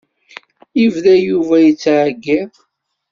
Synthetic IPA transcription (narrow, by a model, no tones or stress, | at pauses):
ivðæjuvæjət͡sːʕɡːɪʁ